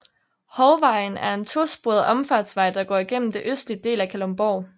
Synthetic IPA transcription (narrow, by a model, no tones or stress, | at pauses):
hɒʊʋɑ̈ɪn̩æɐe̝nt͡sʰo̝sb̥oɐð̩ˠʔɒ̽mfɑ̈d̥sʋɑ̈ɪd̥ɑ̈ɡ̥ɒ̰ːiɡ̥en̰m̩d̥e̝ʔøsd̥lid̥e̝̰ːlækʰælɒmb̥ɒː